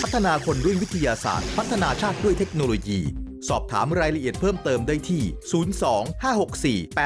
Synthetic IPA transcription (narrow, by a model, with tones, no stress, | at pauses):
pʰa˦˥t̪ʰːa˧naː˧kʰo˧nɾu˥˩jwi˦˥t̪ʰa˧jaː˧sa̰ː˨˩t̪̚pʰa˦˥t̪ʰːa˧naː˧t͡ɕʰaː˥˩t̪̚du˥˩əjt̪ʰe˦˥k̚noː˧loː˧jiː˧ | sɔː˨˩p̚t̪ʰa̰ː˩˦mɾaː˧jɾa˧ʔi˨˩ət̪̚pʰɤː˥˩mt̪ɤː˧mdaː˥˩jt̪ʰiː˥˩suː˩˦nsɔː˩˦ŋhaː˥˩ho˨˩k̚siː˨˩pɛː˨˩